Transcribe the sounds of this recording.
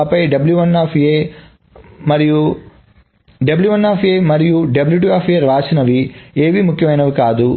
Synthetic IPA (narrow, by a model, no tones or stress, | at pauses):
pɐjɖɐbljuʋɐnːaːpʰie | mɐɾiju | ɖɐbljuʋɐnːaːpʰieːmɐɾijuɖɐbljuːʈ̬iaːpʰijɐɾʋaːt͡ʃinɐʋieːʋimukʰjɐmɐjnɐʋikaːd̪u